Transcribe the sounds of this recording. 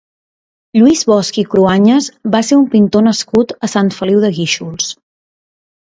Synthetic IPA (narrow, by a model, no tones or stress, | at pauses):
ʎuizβɔskikɾuaɲəzβaseɾumpint̪onəskut̪əsant̪fəliwðəɣiʃulˠs